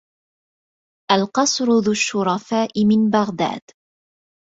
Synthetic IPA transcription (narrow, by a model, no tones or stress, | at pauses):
ʔalqɑsˤɾʊðʊʃːʊɾˤɑfaːʔɪmɪnbaɣd̪a̰ːd̪̥